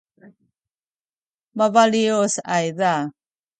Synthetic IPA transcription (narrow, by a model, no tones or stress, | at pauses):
mavaliosajða